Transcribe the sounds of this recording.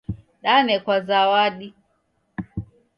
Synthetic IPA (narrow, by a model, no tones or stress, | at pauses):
ɗanɛkwazawaɗi